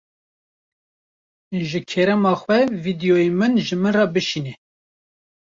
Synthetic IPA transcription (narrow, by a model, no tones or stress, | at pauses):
ʒɨkʰɛɾɛmɑːxwɛvid̪ijoemɨnʒɨmɨnrɑbɨʃiːnɛ